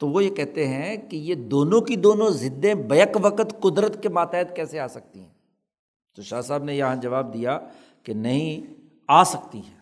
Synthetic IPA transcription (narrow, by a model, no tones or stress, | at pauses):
t̪oʋojekɛɦt̪eɦɛ̃kijed̪oːnõkid̪oːnõzɪd̪ːẽbɐjəkʋɐqət̪kʊd̪ɾət̪kemaːt̪ɛːt̪kɛːseaːsɐk̚t̪ḭɦɛ̰̃ | t̪oʃaːsaːbnejɐɦãd͡ʒɐʋaːb̚d̪ija | kenɐɦĩ | aːsɐkt̪iɦɛː